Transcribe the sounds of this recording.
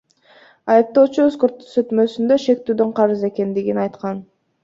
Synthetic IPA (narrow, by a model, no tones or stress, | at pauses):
ɑjɯp̚t̪o̞ːt͡ʃuøskoɾt̪ːsøt̪mø̞synd̪øʃe̞k̚t̪yːd̪ø̞ɴqʰɑɾɯze̞ke̞nd̪iɡinɑjt̪qɑn